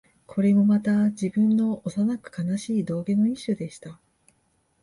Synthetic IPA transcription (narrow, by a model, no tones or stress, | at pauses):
kʰo̞ɾe̞mo̞mat̪ad͡ʑibɯ̟̃nːo̞osanakɯ̟̥kanaɕiːd̪o̞ːɡe̞no̞iɕod̪e̞ɕi̥t̪a